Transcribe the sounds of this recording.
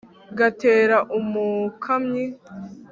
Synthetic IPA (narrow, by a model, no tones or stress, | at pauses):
ɡatʰeːɾaʔumukʰamɲi